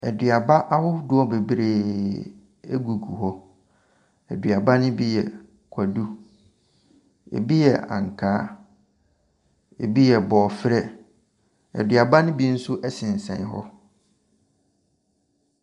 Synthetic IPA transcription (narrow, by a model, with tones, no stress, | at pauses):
ɛ˨dɪ˨a˨ba˦ʔa˦hʊ˦dʊ˦ɔ˦be˨bɾe˨ | ḛ˦ɡu˨ɡu˨ɦɔ˦ | ɛ˨dɥa˨ba˦nʊ̃˦bi˦jɛ˨ | kʷʰa˨du˦ | ḛ˨bi˦jɛ˨ʔã̰˨ŋ̩˨kʰaː˦ | ḛ˨bi˦jɛ˨bɔː˨fɾɛ˦ | ɛ̰˨dɥa˨ba˦nʊ̃˦bi˦n̩˦sʊ˦ʔɛ˦sɪ̃˨n̩˨sɛ̰̃˨n˦ɦɔ̰˦